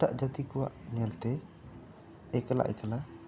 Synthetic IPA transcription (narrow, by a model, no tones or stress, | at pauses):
a̰ʔd͡ʒat̪ikuwaʔɲɛlt̪ɛ | ekəla̰ʔɛ̰kəla